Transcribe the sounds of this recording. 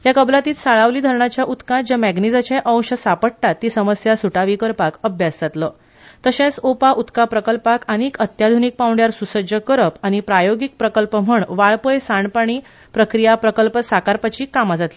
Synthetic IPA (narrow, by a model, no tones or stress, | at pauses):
jakəblat̪iːt̪saɭaʋliːd̪ʱəɾɳat͡ɕjaʔut̪kãd͡ʑamæɡnid͡zat͡ɕẽʔə̃wɕəsapəɽʈat̪ːiːsəməsjasuʈaʋikəɾpakəbʱjad͡zd͡zat̪lə | t̪əɕẽt͡sopaʔut̪kãpɾəkəlpakañikət̪jad̪ʱunik̚pawɳɖjaɾsusəd͡ʑəkəɾəpañipɾajoɡik̚pɾəkəlpəm̤əɳʋaɭpəjsaɳpaɳ̃iː | pɾəkɾijapɾəkəlpəsakaɾpat͡ɕiːkamad͡zat̪li